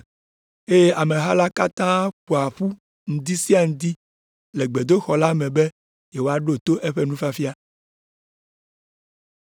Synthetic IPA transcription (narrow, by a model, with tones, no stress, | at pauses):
e˦je˦ʔa˨mẽ˨ɦa˦la˦ka˦t̪ã˦k͡po˨a˨ɸu˦ | ŋ̩˦d̪i˦si˦a˦˨ŋũ˦d̪i˦ | le˨ɡ͡be˨d̪o˦xɔ˨la˦mɛ̃˨be˦ | je˨wo˦a˦ɖo˦t̪o˦ʔe˦ɸe˦nũ˦fa˦fi˦a˦